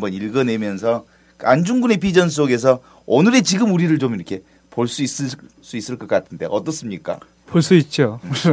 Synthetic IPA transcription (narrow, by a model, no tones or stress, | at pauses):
mbʌniɭɡʌne̞mjʌns̬ʰʌ | kand͡ʑuŋɡune̞p̬id͡ʑʌns̬͈oɡe̞s̬ʰʌ | ʌnɯɾe̞t͡ɕiɡɯmuɾiɾɯɭt͡ɕomiɾʌkʰe̞ | poɭs͈uis͈ɯ | s͈uis͈ɯɭk͈ʌk͈atʰɯnde̞̰ʔʌt͈ʌs͈ɯmɲik͈a̰ | poɭs͈uit̚t͡ɕ͈o